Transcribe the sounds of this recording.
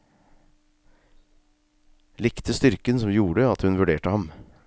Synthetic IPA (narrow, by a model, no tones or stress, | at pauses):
lɪkt̪əst̪ʏɾkənsɔmjuːɾəɑt̪hʉnʋʉɖeːʈəhɑm